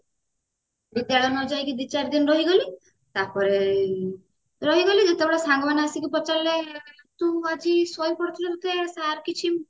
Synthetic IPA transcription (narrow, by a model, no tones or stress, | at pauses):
bid̪jaɭɔnɔd͡ʒajkid̪it͡ʃaɾd̪inɾɔɦiɡɔli | t̪aɾpɔɾe | ɾɔɦiɡɔlid͡ʒet̪ebeɭɔsaŋɡɔbaneasikipɔt͡ʃale | t̪uad͡ʒisɔjpɔɽt̪ʰilɔɾut̪esaɾkit͡ʃʰi